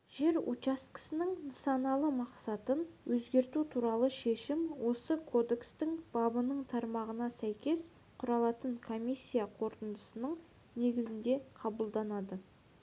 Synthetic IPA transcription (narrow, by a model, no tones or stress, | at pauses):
ʒ̥e̞ɾṵt͡ʃaskɪ̥sɪnɪŋnəsɑnɑlˠəmɑqsɑt̪ənwɵzɡʲe̞ɾt̪ut̪ʰuɾɑlˠəʃe̞ʃɪmwo̞səkʰo̞d̪e̞kst̪ɪŋb̥ɑbənəɴt̪ʰɑɾmɑʁənɑsæjkʲe̞s | qʰʊɾɑlˠɑt̪əɴkʰo̞mijsʲːijaqʰo̞ɾt̪ənd̪əsənəɴ | ne̞ɡʲɪzɪnd̪e̞qʰɑbəlˠd̪ɑnɑd̪ə